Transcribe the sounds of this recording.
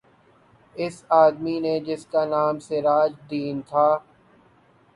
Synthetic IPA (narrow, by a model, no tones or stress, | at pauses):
ɪsaːd̪mined͡ʒɪskanaːmseɾaːd͡ʒd̪iːnt̪ʰaː